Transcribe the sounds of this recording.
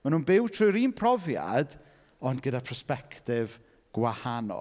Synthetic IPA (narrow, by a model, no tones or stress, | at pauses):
manuːnbɪwtʰrʊjɾiːnpʰrɔvja̰d | ɔndɡədapʰəspɛktɪv | ɡ̥wahanɔ̰